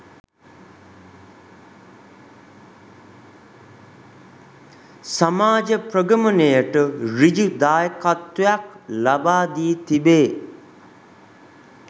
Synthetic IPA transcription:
samaːd͡ʒəpɾəɡəmənejəʈəɾid͡ʒud̪aːjəkat̪ːujaklabaːd̪iːt̪ibeː

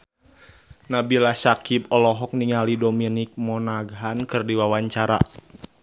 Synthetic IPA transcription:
nabilasakipɔlɔɦɔk̚niŋalidominik̚mɔnaɡɦankɨrdiwawaɲt͡ʃaɾa̰

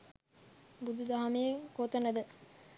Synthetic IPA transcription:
bud̪ud̪aɦamijeŋkoːt̪ənəd̪ə

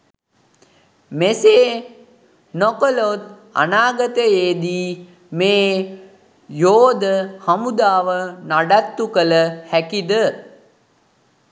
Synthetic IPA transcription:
meseː | nokəlot̪̚ | a̰naːɡət̪əjeːd̪iː | meː | joːd̪əhamud̪aːʋənaɖat̪ːukələhækid̪ə

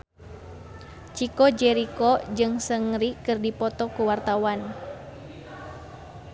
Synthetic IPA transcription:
t͡ʃikɔd͡ʒɛɾikɔd͡ʒɨŋsəŋɾikɨrdipɔt̪ɔkuwart̪awan

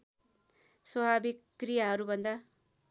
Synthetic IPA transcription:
swʌbʱabikːrijaɦʌɾubʱʌnd̪a

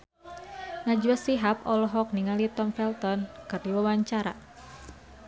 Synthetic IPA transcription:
nad͡ʒuasiɦapɔlɔɦɔk̚niŋalit̪ɔmfɛlt̪ɔnkɨrdiwawaɲt͡ʃaɾa̰

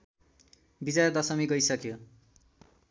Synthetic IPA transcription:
bid͡zad̪ʌsʌmiɡʌjsʌkjo

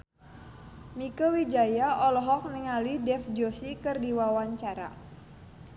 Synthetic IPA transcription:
mikəwid͡ʒajaʔɔlɔɦɔk̚niŋalidɛfd͡ʒosikɨrdiwawaɲt͡ʃaɾa̰

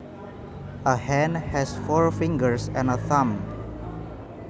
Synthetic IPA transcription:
ʔəhɛ̃nhɛsfɔɹfĩŋɡəɹsɛ̃nəθãm

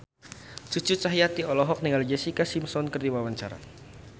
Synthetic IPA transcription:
t͡ʃut͡ʃut͡ʃaɦijat̪iɔlɔɦɔk̚niŋald͡ʒɛsikasimsɔnkərd̪iwawaɲt͡ʃaɾa̰

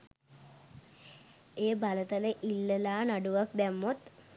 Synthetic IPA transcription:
eːbalət̪ələʔilːəlaːnaɖuʋak̚d̪æmːot̪

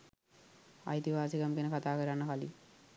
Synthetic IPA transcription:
a̰jt̪iʋaːsikamɡenəkat̪aːkəɾanːəkalḭ

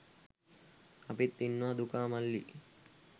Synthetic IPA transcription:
ɐpit̪ːinːʋad̪ukaːmɐlːi

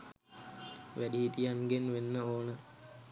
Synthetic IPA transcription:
ʋæɗiɦit̪ijaŋɡenʋenːəoːnə

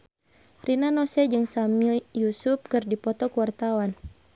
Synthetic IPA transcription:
rinanɔsɛd͡ʒɨŋsamiljusup̚kɨrdipɔt̪ɔkuwart̪awan

